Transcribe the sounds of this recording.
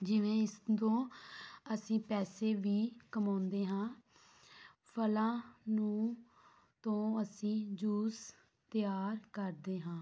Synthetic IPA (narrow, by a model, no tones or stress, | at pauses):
d͡ʒɪʋẽːɪsd̪õːəsĩːpɛːseːʋiːkəmãːnd̪eːɦãː | pʰəlãːnũː | t̪õːəsĩːd͡ʒuːs | t̪ɪjaːɾkəɾd̪eːɦãː